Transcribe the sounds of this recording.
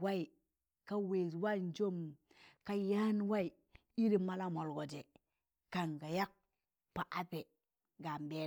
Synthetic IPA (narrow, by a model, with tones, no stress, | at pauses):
wa˦i˨ | ka˦we˨swa˦˨n˦d͡ʒo˦m | ka˦ja˦n˦wa˦i˨ | i˦ɾi˦ma˦la˦mo˨lɡo˨d͡ʒe˨ | ka˨ŋɡa˨ja˦k̚ | pa˨ʔa˦pe˨ | ɡa˨m˨be˨˦